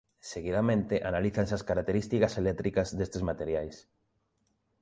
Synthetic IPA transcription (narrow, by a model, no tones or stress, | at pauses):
seɣiðamẽnt̪ɪʔanaliθaŋs̬askaɾak̚t̪eɾist̪ikɐselɛt̪ɾikɐzðest̪ezmat̪eɾjajs